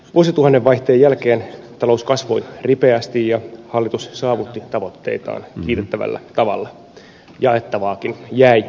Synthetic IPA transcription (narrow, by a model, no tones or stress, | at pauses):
ʋuosit̪uhɑnːeʋʋɑjht̪eːjːælkeːnt̪ɑlo̞uskɑsʋo̞jripeæst̪ijjɑhɑlːit̪ussɑːʋut̪ːit̪ɑʋo̞t̪ːe̞̰it̪ɑ̰ːnkiːt̪et̪ːæʋæ̰lːæ̰t̪ɑʋɑ̰lːɑ | jɑe̞t̪ːɑʋɑːkinjæij